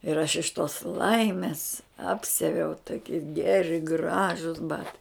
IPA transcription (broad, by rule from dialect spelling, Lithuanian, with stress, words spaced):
ɪr ɐʃ ɪʃ toːs ˈlˠɐɪmʲɪs ˈɑːpʲsʲɛʋʲɛʊ toːˈkʲɪ ˈɡʲæːrʲɪ ˈɡrɑːʒʊs ˈbɑːtɐɪ